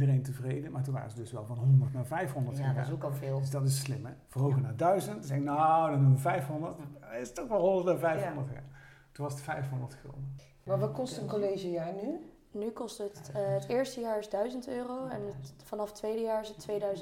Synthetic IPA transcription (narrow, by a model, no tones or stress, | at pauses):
idərejntəvrejdəmaːɹtunʋa̰ːrəzədɵsʋɛlˠvɑnɦɔndəɹtnaːvɛjfɦɔndəɹtːa̰sokɑlˠvɪːlˠdəsdɑtɪsslɪmɛvəɦowɣənaːdœɥzəntzɛnodɑnuməvɛjfɦɔndəɹtɪsətɔxʋɛlˠɦɔndəɹtnaːvɛjfɔndəɹta̰ː | tunʋɑsətfɛjfɦɔndəɹtxo̰lˠdə | maːʋkɔstəənkolejʒəjaːɹny | nykɔstəətːətɪːɹstəjaːɹɪzdœɥzəntøːrowɛnfɑnɑftʋejdəjaːɹɪsətʋejdœɥz